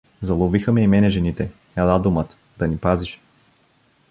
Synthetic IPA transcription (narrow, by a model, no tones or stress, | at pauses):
zɐlˠɔvixəmɛimɛnɛʒɛnit̪ɛ | ɛlˠad̪ʊmət̪ | d̪̥ɐnipaziʃ